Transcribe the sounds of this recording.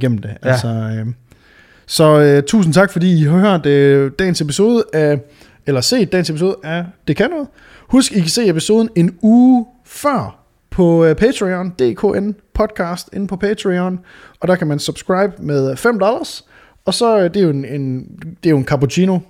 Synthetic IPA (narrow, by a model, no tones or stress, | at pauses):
ɡ̥em̰m̩d̥e̝ʔælsɒ̽ø | sɒ̽øt͡sʰṵːsn̩t͡sʰɑ̈ɡ̥fɒ̽dḭːiɦɑ̈høɐ̰d̥d̥ɛ̰ːn̩se̝piso̝ːð̞ˠəæ | elɐse̝̰ːd̥d̥ɛ̰ːnsepiso̝ːð̩ˠəʔæd̥e̝kʰænɔ̽ðˠ | husɡ̥ikʰæse̝̰ːe̝piso̝ːðˠn̩e̝nuː | fɶɐ̰ | pʰɒ̽pʰet͡sʰʁiɔnd̥e̝̰ːkʰo̝̰ːʔenpʰɒ̽d̥̚kʰɑ̈ːsd̥e̝n̩pʰɒ̽pʰet͡sʰʁiɔn | ɒ̽d̥æ̈kʰæmænsub̥sɡ̥ʁɑ̈ɪb̥með̞ˠfem̰d̥ɒlɐs | ɒ̽sɒ̽d̥e̝joene̝nd̥e̝joenkʰɑ̈pot͡ɕʰiːno̝